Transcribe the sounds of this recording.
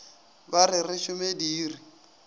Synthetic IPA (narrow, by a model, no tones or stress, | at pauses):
barɪrɪʃʊmediːri